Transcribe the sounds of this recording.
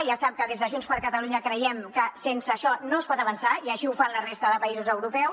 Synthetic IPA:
ʒasap̚kəðezðəʒunspəɾkət̪əluɲəkɾəjɛmkəsensəːʃɔnoəspɔt̪əβ̞ənsaiəʃiufanlərest̪əðəpəizuzəwɾupɛw

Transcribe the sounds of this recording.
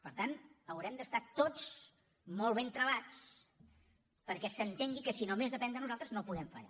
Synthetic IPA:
pəɾt̪anəwɾɛmd̪əst̪at̪ot͡s | molˠβ̞ent̪ɾəβat͡s | pəɾkɛsənt̪eŋɡikəsinomezðəpɛnd̪ənuzalˠt̪ɾəznopuðɛmfə̰ʎa̰

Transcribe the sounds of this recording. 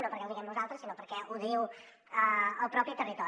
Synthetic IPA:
nopəɾkɛlˠd̪iɣɛmnuzalˠt̪ɾəsinopəɾkɛʔuðiw | əəlˠpɾɔpit̪ərit̪ɔ

